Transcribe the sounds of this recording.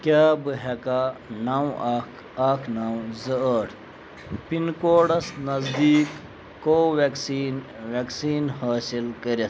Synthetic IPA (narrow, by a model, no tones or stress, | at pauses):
kʲaːbɨɦekaːnawaːkʰ | aːkʰnawzəəːʈʰ | pinkoːɖɐsnɐzd̪iːkː | oːʋeksiːnʋeksiːnhaːsilkəɾes